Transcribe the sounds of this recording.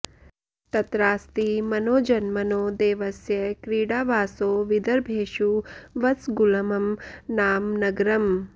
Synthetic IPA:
t̪ɐt̪ɾaːst̪imɐnoːd͡ʒɐnmɐnoːd̪eːʋɐsjɐkɾiːɽaːʋaːsoːʋid̪ɐɾbʱeːʃuʋɐt͡sɡulɐmɐmnaːmnɐɡɾɐm

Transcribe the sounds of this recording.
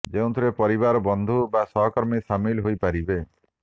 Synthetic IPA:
d͡ʒeũt̪ʰuɾepɔɾiβaɾɔbɔnd̪ʱubasɔɦɔkɔɾmisamilɦojpaɾibe

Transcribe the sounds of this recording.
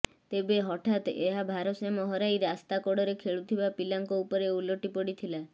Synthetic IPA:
t̪ebeɦɔʈʰat̪eɦabʱaɾɔsemɔɦɔɾajɾeast̪akɔɽɔɾekʰeɭut̪ʰibapilaŋkɔupɔɾeuloʈipɔɽit̪ʰila

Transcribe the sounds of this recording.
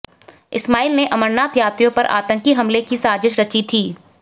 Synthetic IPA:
ɪsmaːiːlneʔɐməɾnaːt̪jaːt̪ɾijõpɐɾʔa̰ːt̪ə̃ŋkiɦɐmlekisaːd͡ʒɪʃɾɐt͡ʃit̪ʰiː

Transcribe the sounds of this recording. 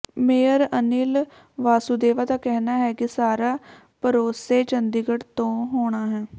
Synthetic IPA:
meːəɾəniːl | ʋaːsuːd̪eːʋaːd̪aːkɛɦnaːɦɛːkɪsaːɾaː | pəɾoːseːt͡ʃənd̪iɡəʈt̪õːɦoːɽ̃aːɦɛː

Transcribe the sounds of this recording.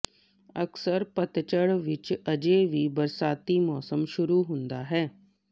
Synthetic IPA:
əksəɾpət̪t͡ʃəɽʋɪt͡ʃəd͡ʒeʋibɐɾsaːt̪imɔːsəmʃʊɾuɦʊ̃nd̪aɦɛː

